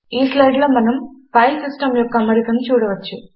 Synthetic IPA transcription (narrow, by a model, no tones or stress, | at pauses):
iːslɐjɽilɐmɐnɐmpɐjlsisʈɐmlokːɐmːɐɽikːɐnt͡ɕuːɽuʋɐt͡ɕːu